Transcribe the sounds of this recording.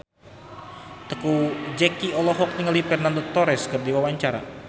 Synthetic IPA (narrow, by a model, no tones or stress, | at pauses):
t̪əkud͡ʒɛkiɔlɔɦɔk̚ɲəŋəlifɛrnandot̪ɔɾɛskərdiwawaɲt͡ʃaɾa̰